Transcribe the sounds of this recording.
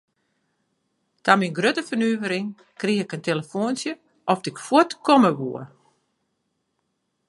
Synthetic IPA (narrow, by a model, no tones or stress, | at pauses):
taminɡrøtəfənyəvəɾɪŋ | kriɪkənteləfoːnsjə | ʔɔfdɪkfwutkɔməʋuə